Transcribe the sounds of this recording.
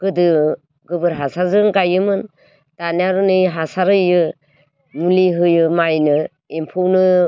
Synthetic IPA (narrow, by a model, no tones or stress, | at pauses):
ɡ̥ɯdɯ | ɡɯbɯɾɦasazɯŋkajɯmɯn | tanaɾɯnɯjɦasaɾɯjɯ | muliɦɯjɯmajnɯ | impʰuwnɯ